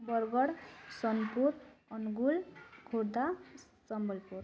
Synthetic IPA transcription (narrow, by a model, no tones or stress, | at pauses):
bʌɾɡʌɾsʌnpuɾʌnɡulkʰoɽd̪a | t͡sʌmbʌlpuɾ